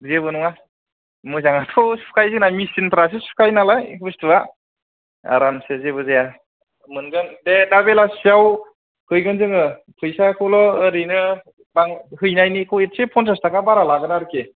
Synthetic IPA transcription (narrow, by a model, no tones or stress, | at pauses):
zebɯnuŋa | mɯzaŋatʰɔsu̥kʰajzɯŋnamisinpʰɾas̬esu̥kʰajnalajhustɯa | a̰ɾansezebɯzeja | mɯnɡɯndedabelasijaw | kʰɯjɡɯnzɯŋɯ | pʰɯjsakʰɯwlɔɯɾɯnɯ | baŋhɯjnajnikʰɯwet̚sepʰɔntastakʰabaɾalaɡɯnaɾke